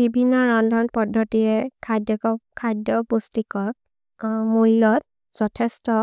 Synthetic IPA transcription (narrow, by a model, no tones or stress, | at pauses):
bibʱinːɔɹɔndʱɔnpɔdʱːɔtiɹɛkʰadɔkɔkʰadjɔbostikɔk̚ | mulɔt̚ | z̥ɔtʰɛstɔ